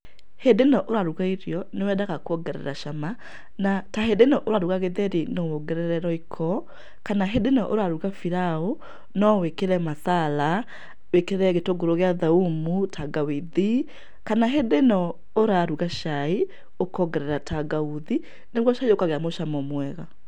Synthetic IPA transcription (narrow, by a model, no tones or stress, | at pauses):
hedenɔʔoɾaɾuɣaiɾjɔnewɛdaɣakoɔɡɛɾɛ̰ɾaʃama | nataɦedenɔʔoɾaɾuɣaɣeðɛɾinowɔɡɛɾɛɾɛɾɔikʰɔ | kanaɦedenɔʔoɾaɾuɣafiɾao | nɔwekeɾɛmaθala | wekeɾɛɣetoɡoɾoɣeaðaumutʰaɡawiði | kanaɦedenɔ | oɾaɾuɣaʃai | okɔɡɛɾɛɾatʰaɡauði | neɣwɔʃaiokaɣɛamoʃamɔmwɛɣa